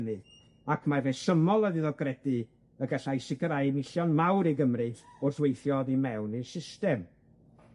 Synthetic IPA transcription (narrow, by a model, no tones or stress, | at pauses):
nɨ | akʰmavɛsəmɔlˠəðiðɔɡrɛdɨ | əɡaɬajsɪkəɾajnɪɬjɔnmawɾiɡəmrɨʊrθwejθjɔðimɛwnisɪstɛm